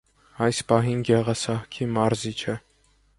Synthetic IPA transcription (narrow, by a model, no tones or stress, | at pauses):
ɑjspɑɦinɡɛʁɑsɑhkʰimɑɾzit͡ʃʰɛ